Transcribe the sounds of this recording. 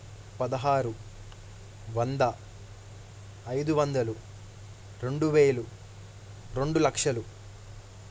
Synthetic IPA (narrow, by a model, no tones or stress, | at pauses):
pɐd̪ɐɦaːɾu | ʋɐnd̪ɐ | ɐjd̪uʋɐnd̪ɐlu | ɾe̞ɳɖuʋeːlu | ɾe̞ɳɖulɐkʂɐlu